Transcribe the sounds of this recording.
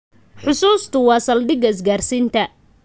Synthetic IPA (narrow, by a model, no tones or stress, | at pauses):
ħʊsuːst̪ʰʊwɑːsɐld̪ɪɡɐɪs̬ɡaːrsiːnt̪ʰɐ